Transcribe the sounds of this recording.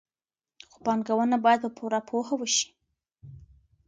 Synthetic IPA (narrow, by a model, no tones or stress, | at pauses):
xo̥bɑnɡawanabɑjad̪̚pəpʰuɾapʰohawəʃi̥